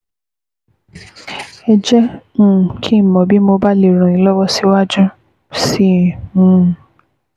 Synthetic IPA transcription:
ɛ˧d͡ʒɛ̃˦˨ | kʰi˦˨mɔ̃˨bi˦mo˧ba˦le˨ɾ̃ɔ̃˨i˨˦lɔ˦wɔ˦si˦wa˦d͡ʒũ˦ | si˦˨hũ˦˨

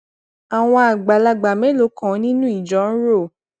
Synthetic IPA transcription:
a˨w̃ɔ̃˧a˨ɡ͡ba˨la˧ɡ͡ba˨mɛ˨˦lo˨˦kã˨˦nĩ˦nũ˦i˦˨d͡ʒɔ˨˦n̩˦ɾo˦˨

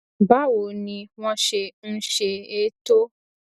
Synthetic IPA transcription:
ba˦wo˨nĩ˧wɔ̃˦ʃe˨n̩˦ʃe˨e˦to˦

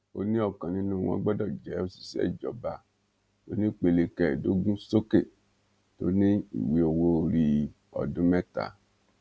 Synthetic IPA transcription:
o̰˧nĩ˦ɔ˦˨kã˨nĩ˧˦nũ˦˨w̃ɔ̰̃˧˦ɡ͡bɔ˦dɔ˦˨d͡ʒɛ˨˦o˧˦si̥˨sɛ̰˦˨d͡ʒɔ˨˦ba˧ | to˨˦nĩ˦k͡pe˧le˧kɛ˨do˦ɡũ˦so˦ke˦˨ | to̰˦nĩ˦ḭ˨we˨˦o˨wo˧˦˧ɾi˧ | ɔ̰˨dũ˨˦mɛ˦ta̰˨˦

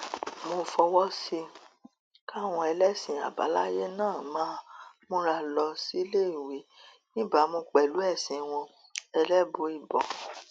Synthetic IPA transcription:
mo˧fɔ˧wɔ˦si˧ | ka˦˨w̃ɔ̃˧ɛ˧lɛ˦sĩ˨a̰˨ba̰˨˦la˦je˦nãː˦˨mãː˦ | mũ˦ɾa˧lɔ˧si˦le˦i˨wi˨˦ | nĩ˦ba˦˨˦mõ˧k͡pɛ˨lu˨˦ɛ˦˨sĩ˨˦w̃ɔ̃˧ | ɛ˧lɛ˦bo˧i˦˨bɔ̰˨

